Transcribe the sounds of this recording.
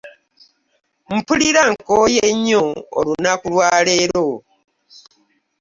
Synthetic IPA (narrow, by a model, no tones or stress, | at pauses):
m̩puliɾaŋkojeɲːoo̰lunakulwaːleːɾo